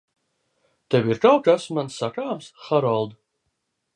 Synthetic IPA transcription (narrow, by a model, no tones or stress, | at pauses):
t̪ewʲiɾkawkasmansːakaːmsxaɾɔlˠd̪